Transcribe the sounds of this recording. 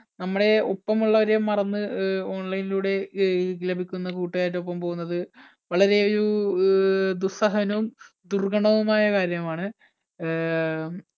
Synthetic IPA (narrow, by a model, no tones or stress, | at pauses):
nɐmːuɽe̞o̞pːɐmuɭːɐʋɐɾe̞mːɐrɐnːɨo̞ːɳlɐjniluːɽe̞ɡlɐbʱikʲːunːɐkuːʈːujaːjitːop̬ːɐmpo̞ːɣunːɐðɨ | ʋɐɭɐɾe̞o̞ɾu | d̪usɐɦɐnɐʋum | d̪urɡɐɳɐʋumaːjɐkaːɾjɐmaːɳɨ